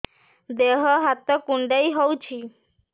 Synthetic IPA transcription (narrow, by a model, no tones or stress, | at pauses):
d̪eɦɔɦat̪ɔkuɳɖəjɦowt͡ʃʰi